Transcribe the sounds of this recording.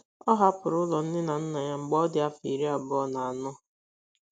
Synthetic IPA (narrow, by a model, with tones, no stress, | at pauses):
ɔ˦ɦa˦pʊ˨ɾʊ˦lɔ˨n̩˦dɪ˦na˨n̩˦na˨ɲa˦ŋ͡m̩˨ɡ͡bɔ˦dɪ˦a˦fi˨ɾi˦a˨bɔ˦na˨a˨nʊ˦